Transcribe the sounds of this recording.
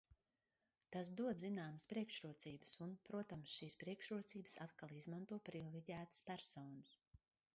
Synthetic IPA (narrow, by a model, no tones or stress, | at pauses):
t̪as̬d̪uɔd̪zinaːməspɾiɛkʃɾuɔt̪siːbɨsunpɾuɔt̪amsʃiːspɾiɛkʃɾuɔt̪siːbəsat̪kalˠizmant̪uɔpɾivilˠiɟæːt̪ɨspæɾsɔːnɨs